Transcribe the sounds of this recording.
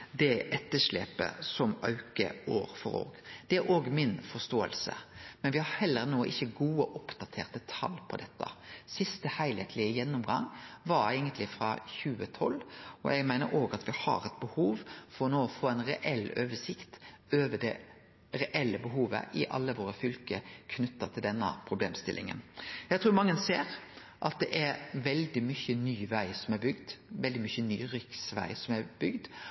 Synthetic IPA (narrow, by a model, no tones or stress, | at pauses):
d̪ɛʔɛt̪ːəʂlḛːpə̰sɔmɑʉkə̰oːɾfɔɾo̰ːɡd̪̥ɛæɾoːɡmɪnfɔst̪oːə̰lsə̰mɛnʋɪhɑɾhɛlːəɾnoːəʔɪçːəɡuːəʔʊpd̪̥ɑt̪ʰḛːʁt̪ət̪ʰɑlpʰɔd̪ɛt̪ːə̰sɪst̪əhæɪlɛt̪ʰlɪəjɛnːʊmɡɑŋʋɑɾæɪɡənt̪lɪfɾɑ̰çʉːət̪ʰɔlːɔ̰ʔɛɡmæɪnəɾoːɡɑt̪ʋɪhɑ̰ɾɛt̪̚bəhuːʋfɔɾɔnoːɔfoːɛɪnɾɛ̰ʔɛlːøːʋəʂɪkt̪ | øːʋəɖ̪ɛ | ɾɛʔɛlːəbəɦuːʋə̰ʔɪʔɑ̰lːəʋoːɾəfʏlkəkʰnʉt̪ːɑt̪ʰɪld̪ɛnːə̰pʰɾʊbleːmst̪ɪlʔɪ̰ŋə̰njæɡt̪ʰɾuːɾmɑŋːənseːɾ | ʔɑt̪̚d̪ɛʔɛɾʋɛld̪ɪmʏçənyːʋæɪsɔmɛɾbʏɡd̪ʋɛld̪ɪmʏçəny̰ːɾʏksʋæ̰ɪsɔmæɾb̥ʏɡd̪